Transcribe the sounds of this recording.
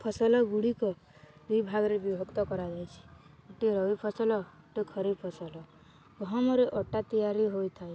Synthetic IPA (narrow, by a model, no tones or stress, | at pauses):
pʰɔsɔlɔɡuɽikɔ | d̪ibʱaɡɔɾebibʱɔkt̪ɔkɔɾad͡ʒajt͡ʃʰi̥ | eʈiɾɔipʰɔsɔlɔ | ʈikʰɔɾipʰɔsɔlɔ | ɡɦɔmɔɾeʔɔʈat̪ijaɾiɦojt̪ʰaj